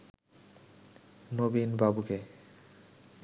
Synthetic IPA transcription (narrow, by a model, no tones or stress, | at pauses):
nobinbabuke